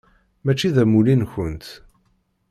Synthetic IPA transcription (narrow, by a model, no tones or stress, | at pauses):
mæt͡ʃːiðæmulinçənt̪